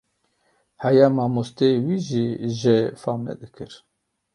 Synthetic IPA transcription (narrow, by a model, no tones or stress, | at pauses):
hɛjamɑːmust̪ewiʒiʒefaːmlɛ̰d̪ɨkʰɨɾ